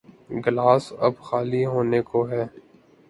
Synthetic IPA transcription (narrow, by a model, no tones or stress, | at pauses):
ɡɪlaːsɐbxaːliɦoːnekoɦɛː